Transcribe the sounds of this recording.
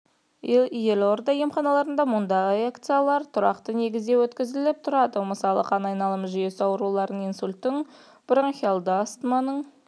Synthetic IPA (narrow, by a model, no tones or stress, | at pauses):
je̞lo̞ɾd̪ɑje̞mχɑnɑlˠɑɾənd̪ɑmʊnd̪ɑʁəeakt̪sɨjalˠɑɾt̪ʰʊɾɑ̰qt̪əne̞ɡʲɪzd̪ewɵt̪kʲɪzɪlɪp̚t̪ʰʊɾɑd̪əməsɑlˠəqʰɑnɑjnɑlˠəməʒʏje̞sɑwəɾulˠɑɾəninsulʲt̪ːɪŋ | b̥ɾaŋχʲalˠd̪əɑst̪əmɑnəɴ